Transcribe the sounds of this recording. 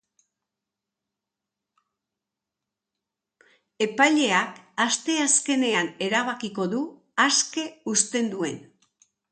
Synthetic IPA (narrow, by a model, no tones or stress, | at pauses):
e̞pajʎe̞akast̪e̞aske̞ne̞ane̞ɾaβ̞akiko̞ðu | aske̞ust̪e̞nd̪ue̞n